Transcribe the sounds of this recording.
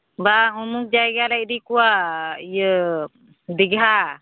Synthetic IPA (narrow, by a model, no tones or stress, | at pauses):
baŋumuk̚d͡ʒaɡalaiʔdikuajə | dəɡɦa